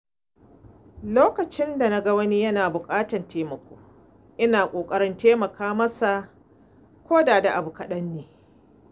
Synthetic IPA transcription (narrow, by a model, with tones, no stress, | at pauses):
loː˦kɐ˨t͡ʃɪ˦nda˨na˦ɡɐ˦wɐ˦ni˦jɐ˦naː˨bʊ˨kʼaː˦tɐ˨ntʰeː˦mɐ˨kʷo̰ː˦ | ʔɪ˦naː˨kʷʼoː˨kʼɐ˦ɾɪ˦nteː˦mɐ˨kʰaː˦mɐ˦sa˨ | kʷoː˦daː˨da˨ʔa˨bu˨kɐ˦ɗɐ˦nːeː˨